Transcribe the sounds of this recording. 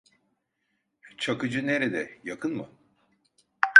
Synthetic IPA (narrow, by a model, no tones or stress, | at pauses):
t͡ʃʰakɯd͡ʒɯne̞ɾed̪ɛjakʰɯnmɯ̰